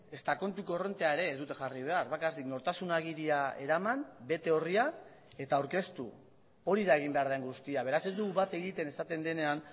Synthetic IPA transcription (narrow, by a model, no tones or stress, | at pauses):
e̞st̪ako̞nt̪ukore̞nt̪eae̞ɾe̞ːzd̪ut̪e̞xariβe̞aɾβakart̪ikno̞ɾt̪asunaɣ̞iɾiae̞̰ɾamanbe̞t̪e̞o̞ria | e̞t̪aːwɾke̞st̪ṵ | o̞ɾiðae̞ɣ̞imbe̞aɾðaeŋɡust̪iaβe̞ɾase̞zd̪uɣuβat̪e̞ɣit̪e̞ne̞sat̪e̞nd̪e̞ne̞an